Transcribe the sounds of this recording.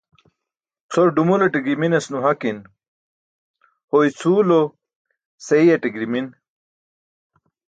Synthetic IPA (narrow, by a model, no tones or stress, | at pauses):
t͡sʰoɾɖumuleʈiɡɾiminesnuɦakin | hoit͡sʰuːlo | seijeʈiɡɾimin